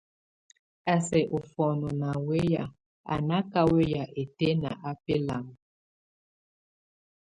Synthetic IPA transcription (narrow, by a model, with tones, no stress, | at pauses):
a˨sɛ˨ʔo˨fɔ˨nɔ˨na˨we˦ja˨ | a̰˨na˦ka˦we˦ja˨ʔe˨te˦na˨ʔa˦pe˦la˨m˨